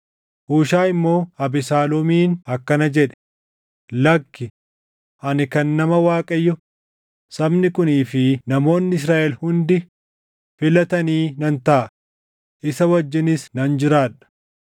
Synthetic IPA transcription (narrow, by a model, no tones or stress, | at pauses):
huːʃaːɪmːo̞ːɐbɪsaːlɔmiːnɐkːɐnɐd͡ʒɛᶑɛ̥ | lɐkːɪ | ʔɐnɪkɐnːɐmɐwaːkʼɐjːɔ | sɐbnɪkʊniːfɪnɐmo̞ːnːɪɪs̬ɾaːʔɛlhʊnd̪ɪ | fɪlɐt̪ɐniːnɐnt̪ɐʔɐ | ʔɪsɐwɐd͡ʒːɪnɪsnɐnd͡ʒɪɾaːᶑɐ̥